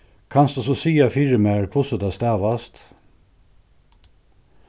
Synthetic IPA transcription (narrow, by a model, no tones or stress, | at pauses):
kʰɑnsd̪ɑsosiːɑfɪɹəmæɹkʰʋʊsɔd̪ɑːst̪æːʋɑst̪